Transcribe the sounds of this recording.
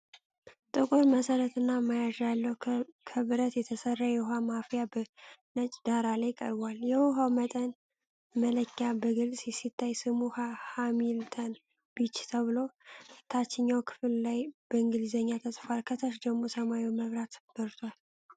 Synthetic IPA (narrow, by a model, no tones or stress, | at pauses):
t̪ʼɨkʼoɾməsəɾət̪ɨnːamajaʒalːəwkʰəβɨɾət̪jɛt̪ʰəsərːajɛwuɦamafijabənət͡ʃʼd̪aɾalajkʼə̰ɾbaljɛwuɦawmət̪ʼən | mələkːabəɡɨlsʼjɛsit̪ʰːajsɨmuhahamilt̪ʰən | bit͡ʃːt̪ʰəβɨlo̞t̪ʰat͡ʃːɪɲːawkʰɨ̥fllajbəɨŋɡɨlzəɲːat̪ʰəsʼfalkʰət̪ʰəʃ̬d̪əɡmo̞səmajiwməβɾat̪b̥əɾt̪ʰwal